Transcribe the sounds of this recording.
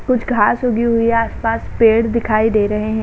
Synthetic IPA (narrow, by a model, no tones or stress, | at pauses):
kʊt͡ʃʰɡʱaːsɦoːɡiɦʊiaːspaːspeːɽd̪ɪkʰaːid̪eːɾɐɦeɦɛ̃